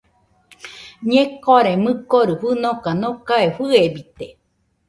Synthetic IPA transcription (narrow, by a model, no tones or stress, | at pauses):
ɲẽkoaɾemɨkoɾɨɸɨnokanõkaeɸɨebit̪e